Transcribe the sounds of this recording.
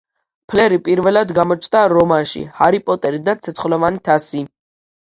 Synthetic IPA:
pʰlɛɾipʼiɾvɛlad̪ɡamɔt͡ʃʰt̪ʼaɾɔmanʃḭhaɾipʼɔt̪ʼɛɾid̪at̪sʰɛt̪sʰχlɔvanit̪ʰasi

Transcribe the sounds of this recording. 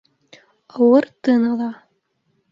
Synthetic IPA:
ɑwɤrt̪ɨnɑlˠɑ

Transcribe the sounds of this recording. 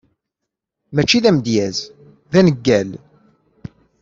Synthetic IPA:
mæt͡ʃːiðæmd̪jæz | ðænəɡːæl

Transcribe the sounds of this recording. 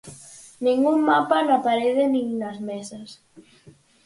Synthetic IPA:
nĩŋɡummapanapaɾeðenĩŋnazmesɐs

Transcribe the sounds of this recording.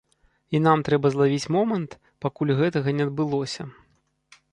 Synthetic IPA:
inamt̪ɾɛbɐzlˠavʲit͡sʲmɔmɐnt̪ | pakulʲɣɛt̪ɐɣɐnʲɛd̪̚bɨlˠɔsʲɐ

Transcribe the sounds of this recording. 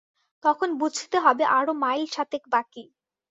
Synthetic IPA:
t̪ɔkʰonbud͡ʑʱit̪eɦɔbeʔaɾomajlʃat̪ekbaki

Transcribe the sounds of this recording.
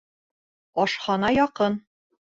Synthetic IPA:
ɒʃχɒnɑjɒqɤn

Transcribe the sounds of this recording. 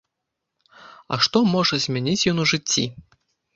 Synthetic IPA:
ɐ̰ʂt̪ɔmɔʐɐzʲmʲɛnʲit͡sʲjɔnuʐɨt͡sʲːi

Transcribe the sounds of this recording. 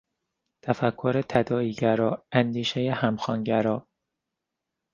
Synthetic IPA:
t̪ʰæfækʰːoɾet̪ʰæd̪ɒːiːɟæɾɒːænd̪iːʃejehæmxɒːnɟæɾɒː

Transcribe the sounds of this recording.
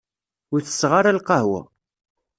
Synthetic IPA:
ʊɾθə̥sːʁaɾalqɑhwæ̰

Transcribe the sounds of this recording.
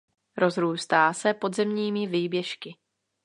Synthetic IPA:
ɾo̞zɾuːst̪aːsɛpo̞d̪zɛmɲiːmɪviːbjɛʃkɪ

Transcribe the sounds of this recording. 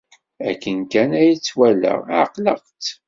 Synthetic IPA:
æ̰kːənkænæjət͡sːwælə̰qləqt͡s

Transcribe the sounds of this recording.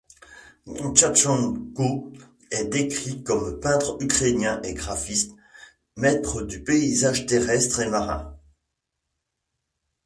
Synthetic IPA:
ɔ̃t͡ʃat͡ʃɔ̃nko | ɛd̪ekχikɔmpɛ̃t̪χykχenjɛ̃ʔeɡʁafist̪ | mɛt̪χəd̪ypeizaʒt̪eʁɛst̪χemaʁɛ̰̃

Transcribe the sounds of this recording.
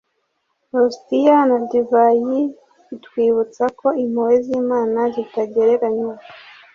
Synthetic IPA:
ɾostijanadivajiː | twiːβut͡sako̞im̥howeziːmaːnazitaɟeɾe̞ɾaɲuːka

